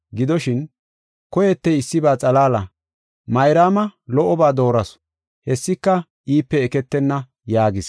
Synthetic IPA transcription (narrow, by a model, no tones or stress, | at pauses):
ɡɪd̪ɔʃɪn | kɔjɛt̪ːɛɪsːɪbaːt͡sʼɐlaːlɐ | mɐjɾaːmɐlɔʔɔbaːd̪o̞ːɾɐs | hɛsːɪkːɐ | ʔiːpːɛːkɛt̪ːɛnːɐ | jaːɡɪs